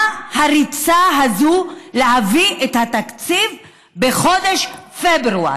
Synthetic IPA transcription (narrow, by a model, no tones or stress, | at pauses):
haʁit͡saɦazuleɦaviʔet̪hat̪akt͡siv | be̞χo̞d̪eʃfebɾua̰